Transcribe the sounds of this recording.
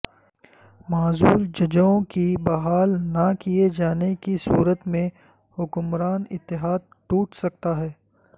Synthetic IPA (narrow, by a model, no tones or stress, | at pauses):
maːzuːld͡ʒɐd͡ʒõkibɐɦaːlnɐkijed͡ʒaːnekisuːɾət̪mẽ | hʊkʊmɾaːnɪt̪ːɪɦaːd̪̚ | ʈuːʈsɐk̚t̪aɦɛː